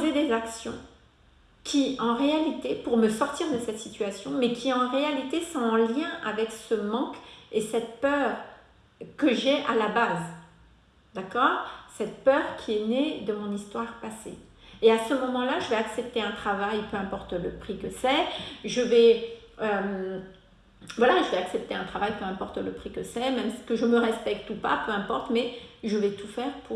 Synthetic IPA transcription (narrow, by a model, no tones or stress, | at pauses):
zed̪ezaksjɔ̰̃ | kʲʰiɑ̃ʁealit̪epuʁməsɔʁt̪iʁd̪əsɛt̪sit̪ɥasjɔ̃mɛkʲʰiɑ̃ʁealit̪esɔ̃ɑ̃ljɛ̃ʔavɛksəmɑ̃kesɛt̪pœʁ | kəʒeʔalabaz | d̪akɔːʁsɛt̪pœʁkʲʰiɛned̪əmɔ̃nist̪waʁpase | easəmɔmɑ̃laʒəvɛaksɛp̚t̪eɛ̃t̪χavajpøɛ̃pɔʁt̪ləpχikəsɛʒəvɛøm | vwalaʒəvɛaksɛp̚t̪eɛ̃t̪χavajpøɛ̃pɔʁt̪ləpχikəsɛmɛmskəʒəməʁɛspɛk̚t̪upa̰pøɛ̃pɔʁt̪mɛʒəvɛt̪ufɛʁpʰuʁ